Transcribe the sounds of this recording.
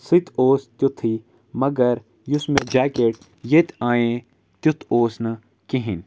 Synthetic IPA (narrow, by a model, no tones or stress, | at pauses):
sit̪ʰoːst̪jut̪ʰi | mɐɡɐɾ | jʊsmẽd͡ʒaːkeːʈ̚ | jet̪aːjẽ | t̪jut̪ʰoːsnɐ | kiɦɪn